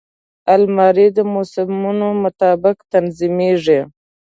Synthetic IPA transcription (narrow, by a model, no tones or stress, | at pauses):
almɑɾid̪əmosɪmunomʊt̪ɑːbɪkt̪anzimeʐe